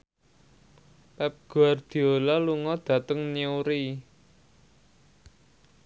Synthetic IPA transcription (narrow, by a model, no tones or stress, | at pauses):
pɛp̚ɡ̥oard̪̥i̤olaluŋɔd̪̥ä̤t̪əŋniuɾi